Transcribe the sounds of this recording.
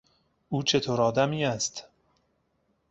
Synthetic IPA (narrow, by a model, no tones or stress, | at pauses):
uːt͡ʃʰet̪ʰoːɾɒːd̪æmiːæst̪